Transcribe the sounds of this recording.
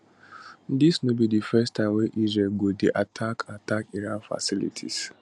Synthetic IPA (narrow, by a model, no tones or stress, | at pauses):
disnũbidifɛstʰãmweʔizɛlɡodeʔatʰakʰatakiɾãnfa̰silḭtʰḭs